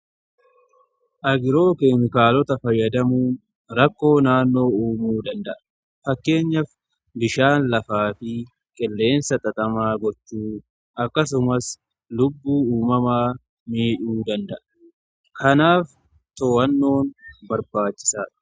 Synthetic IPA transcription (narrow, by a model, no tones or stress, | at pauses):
ʔɐɡɪɾo̞ːkeːmɪkaːlɔt̪ɐfɐjːɐd̪ɐmuːn | ɾɐkːo̞ːnaːnːo̞ːuːmuːd̪ɐnd̪ɐʔɐ | fɐkːe̞ːɲːɐf | bɪʃaːnlɐfaːfɪ | kʼɪlːe̞ːnsɐt̪ʼɐt̪ʼɐmaːɡɔt͡ʃːuː | ɐkːɐs̬ʊmɐs | lʊbːuːuːmɐmaː | miːᶑuːd̪ɐnd̪ɐʔɐ̥ | kʰɐnaːf | t̪oːʔɐnːo̞ːnbɐɾbaːt͡ʃːɪ̥saːᶑ̥